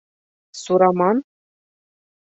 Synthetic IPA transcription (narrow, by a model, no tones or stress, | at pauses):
suɾɑmɑn